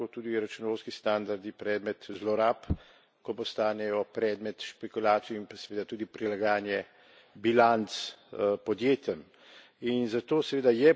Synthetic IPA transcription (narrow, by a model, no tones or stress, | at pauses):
ot̪uːd̪iɾat͡ʃunʋowskist̪and̪aɾd̪ipɾɛːd̪mɛt̪zlɔɾap | kɔpɔst̪aːnɛjɔpɾɛːd̪mɛt̪ʃpɛkulaːt̪sijɔimpasɛʋeːd̪at̪uːd̪ipɾilaɡaːnjɛ | bilant̪spɔd̪jeːt̪jɛm | inzat̪oːsɛʋeːd̪ajɛ